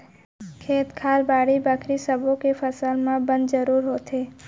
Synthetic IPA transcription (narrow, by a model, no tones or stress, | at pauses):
kʰeːt̪kʰaːlbaːɽibaːkʰɾisəbʱõkefʰəsalmãbə̃nd̪zəɾuːɾɦoːt̪eː